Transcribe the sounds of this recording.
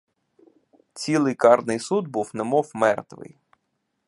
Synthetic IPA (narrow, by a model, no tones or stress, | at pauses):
t͡sʲilˠɪjkɑrnɪjsud̪̚buwnɛmɔwmɛrt̪ʋɪ̰j